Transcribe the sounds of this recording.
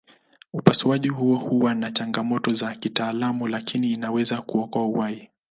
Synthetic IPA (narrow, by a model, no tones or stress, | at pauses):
upasuaʄiɦuɔhuwanat͡ʃaŋɡamɔtɔzakitaːlamulakʰiniːnawɛzakuɔkɔauwai